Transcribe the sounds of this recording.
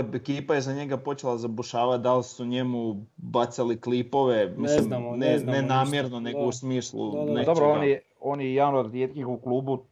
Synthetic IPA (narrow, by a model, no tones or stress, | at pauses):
ekiːpajezaɲe̞ɡapo̞t͡ʃelˠazabuʃaːʋat̪̚d̪alsuɲemu | bat̪saliklipo̞ʋe̞mislimnenenaːmjeɾnone̞ɡousmiːslˠṵned̪obɾooːnjɛ | o̞ːnjejanoaɾɾjet̪kixuklˠuːbu